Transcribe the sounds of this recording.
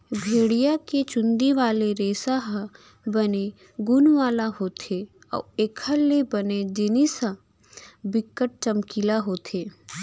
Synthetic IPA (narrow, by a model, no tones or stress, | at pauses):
bʱeːɽijaket͡ʃʊnd̪iʋaːleɾeːsaɦ | bəne | ɡʊnʋaːlaɦoːt̪ʰe | ɔ̰ːeːkʰəlːebəned͡ʒɪnisə̃ | bɪkːəʈ̚t͡ʃəmkilaɦoːt̪ʰeː